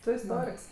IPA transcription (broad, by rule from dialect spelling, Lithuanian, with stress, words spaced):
ˈtʊ ɪsˈtoːrʲɪks